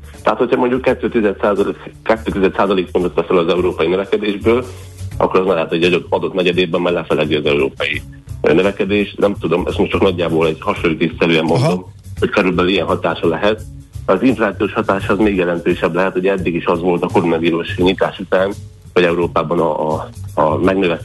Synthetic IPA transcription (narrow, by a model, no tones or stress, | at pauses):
t̪ɛɦaːt̪ho̞cʰɒmo̞ɲɟukːɛt̪ːøːt̪izɛt̪saːzlkɛt̪ːøːt̪izɛt̪saːzɒleːkfond̪ot̪ʋɛsɛlɒzɛuɾoːpɒjinøvɛkɛd̪eːʒbøːl | ɒ̰kːoɾɒzmaːlaːt̪ɛɟɒd̪oɒd̪ot̪mɛɟɛd̪eːbɛmːaːrlɛfɛlɛɡiɒzɛuɾoːpɒji | nøvɛkɛd̪eːʃnɛmt̪ud̪o̞mʔɛ̰st̪mo̞ʃtːt͡ʃɒknɒɟːaːboːlɛɟ̥hɒʃolːit̪ist̪sɛɾyɛmːo̞nd̪o̞m | ho̞ckøɾylbɛlijɛnɦɒt̪aːʃɒlɛɦɛt̪̚ | ɒziɱflaːt̪sioːʃhɒt̪aːʃɒːzmeːɡjɛlɛnt̪øːʃɛblɛɦɛt̪ho̞ɟɛd̪ːiɡiʃɒzʋo̞lt̪ɒko̞ɾonɒviːɾuʃɲit̪aːʃut̪aːn | ʋɒɟɛuɾoːpaːbɒnɒ | mɛɡnøvɛ